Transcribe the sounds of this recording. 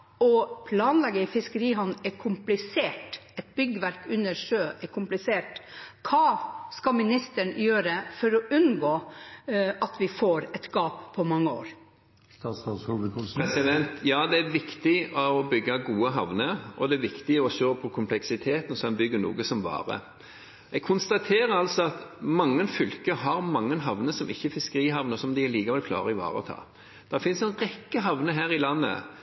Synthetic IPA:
ɔpʰlɑːnlɛɡːəɪfɪskəɾiːɦɔnnɛɾkʰʊmplɪseːʈɛt̪̚bʏɡːəʋæɾkʉnːəɾʂøːʔɛɾkʰʊmplɪseːʈkʰɑːskɑmɪnɪst̪əɳjøːɾəfɔɾɔʔʉnɡoː | ɑt̪ʋɪfoːɾɛt̪ɡ̥ɑːppʰːɔmɑŋːəo̰ːɾ | ɾɛsɪd̪ɛnt̪jɑːd̪ɛæɾʋɪkt̪ɪɔɔbʏɡːɑɡuːəɦɑʋnəɾɔd̪ɛæʋɪkt̪ɪɔʃøːpʰɔkʰʊmpʰlɛksɪt̪ʰeːt̪ənɔsɛnbʏɡːənṵːɡəsɔmʋɑ̰ːɾə̰ | ɛɡ̚kʰʊnst̪ɑt̪ʰeːɾəɑlsɔɑt̪mɑŋːənfʏlkəɦɑɾmɑŋːənɦɑʋnəsɔmɪçːəfɪskəɾiːɦɑʋnəsɔmd̪ɪɛliːkɑʋɛlkʰlɑ̰ːɾəɪʋɑ̰ːɾə̰ɔ̰t̪ʰɑ̰ː | d̪̥ɛfɪnsɛnʁɛkːəɦɑʋnəɦæːɾɪlɑnːə̰

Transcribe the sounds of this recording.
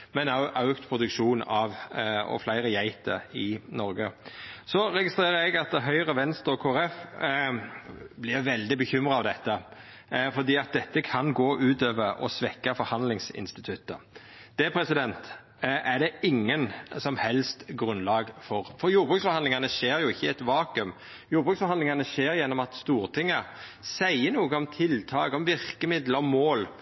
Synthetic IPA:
mɛnɑʊʔɑʉkt̪pʰɾʊd̪ʉkʂuːnɑʋɔ̰flæɪɾəjæɪt̪ə̰ɪnɔɾɡəsɔɾɛɡɪst̪ɾeːɾəɾɛɡɑt̪̚d̪ɛɦœʏʁəʋɛnst̪ɔkʰoːæɾɛf | blɪɾʋɛld̪ɪbəçʏmɾɑɑʋd̪ɛt̪ːə | fɔd̪iːɑt̪̚d̪ɛt̪ːəkʰɑnɡoːʔʉːt̪øːʋəɾɔ̰sʋɛkːɑfɔɾhɑnd̪lɪŋsɪ̰nst̪ɪt̪ʰʉt̪ːə̰ | d̪̥ɛpʰɾɛsɪd̪ɛnt̪ | ʔæɖ̪ɛɪŋːənsɔmhɛlst̪ɡɾʉnlɑːɡfɔɾfɔɾjuːɾbʁʉːksfɔɾɑnɪŋɑnəʃeːɾjʊɪçːəɛt̪ʋɑːkʉm | juːɾbʁʉːksfɔɾhɑnd̪ɪŋɑnəʃeːɾjɛnːɔmɑt̪st̪uːɾt̪ʰɪŋːə | sæɪənuːɡəɔmt̪ʰɪlt̪ʰɑːkɔmʋɪɾkəmɪd̪ləɔmoːl

